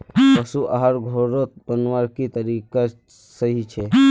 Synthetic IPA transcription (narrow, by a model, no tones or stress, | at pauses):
pəsuʔaɦaɾɡʱoɾot̪bənʋaɾkit̪əɾika | səɦit͡ʃʰe